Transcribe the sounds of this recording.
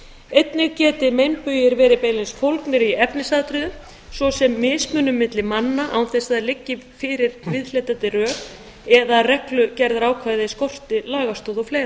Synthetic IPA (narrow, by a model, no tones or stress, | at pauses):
ejt̪nɪɾcɛːt̪ɪmejmpʏjɪɾvɛːɾɪpeːjlɪnsfowlknɪɾiɛpnɪsaːðt̪ɾʏðʏ | svɔsɛmːɪːsmœnʏmːɪt̪lɪmanːaʔa̰wnθɛsaðalɪcːɪfɪɾɪɾvɪðl̥ɛt̪at̪ɪrœːk | ɛðarɛklʏcɛɾðɾaːwkʰvajðɪskɔr̥t̪ɪlaːɣast̪oːðɔfleːjɾ